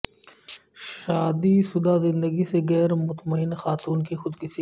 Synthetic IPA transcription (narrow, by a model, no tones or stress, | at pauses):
ʃaːd̪isʊd̪azɪ̃nd̪əɡiseɣɛːɾmʊt̪məɪnxaːt̪uːnkixʊd̪kɪsi